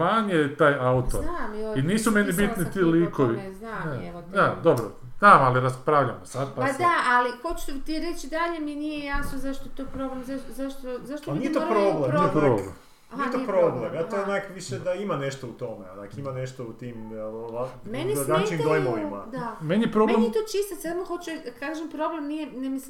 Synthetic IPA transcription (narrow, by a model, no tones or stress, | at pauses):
maɲet̪aːjaut̪oainiːsumenibit̪nit̪iːliːkoʋinae | d̪ad̪o̞bɾo̰ | znaːmaliɾaspɾaʋʎamosad̪̚paad̪aalikot͡ʃt̪ut̪iɾet͡ʃd̪aʎemjenijejasnozaʃt̪ot̪opɾoblemzaʃozaʃt̪ozaʃt̪onijet̪opɾoblenit̪opɾoblem | ijeopɾoblemjat̪onakʋiʃed̪aimaneʃt̪out̪o̞meanakimaneʃt̪out̪iːmameniɡant͡ʃimd̪ojmoʋimad̪amenijepɾobmlemit̪oːt͡ʃist̪asad̪moxot͡ʃed̪kaːʒempɾo̞blemnijenɛmisim